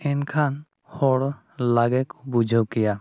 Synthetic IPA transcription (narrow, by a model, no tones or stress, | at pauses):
ɛnkʰan | hɔɽ | laɡɛkɔbud͡ʒʱəwkɛja